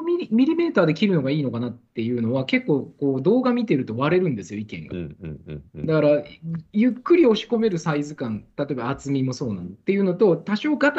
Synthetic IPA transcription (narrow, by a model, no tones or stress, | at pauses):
mʲiimʲiɾʲime̞ːt̪aːd̪e̞kʲiɾɯ̟no̞ɡaiːno̞kanat̪ːe̞jɯ̟ːno̞βake̞kːo̞ːko̞ːd̪o̞ːɡamʲit̪e̞ɾɯ̟t̪o̞βaɾe̞ɾɯ̟̃nd̪e̞sɨjo̞ikẽ̞̰ŋɡa̰ | d̪akaɾajɯ̟kːɯ̟ɾʲio̞ɕi̥ko̞me̞ɾɯ̟saizɨkãnt̪at̪o̞ebaːt͡sɨmʲimo̞so̞ːnãnt̪ːe̞jɯ̟no̞t̪o̞t̪aɕo̞ːɡat̪